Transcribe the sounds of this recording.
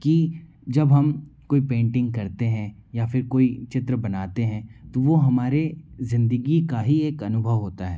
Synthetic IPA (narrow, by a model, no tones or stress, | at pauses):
ki | d͡ʒɐbɦɐmkoːipẽːɳʈɪ̃ŋɡ̚kɐɾt̪eɦɛ̃ | jafɪɾkoːit͡ʃɪt̪ɾəbɐnaːt̪eɦɛ̃t̪oʋoɦɐmaːɾezɪ̃nd̪əɡikaɦieːkɐnʊbʱəʋɦoːt̪aɦɛ̰ː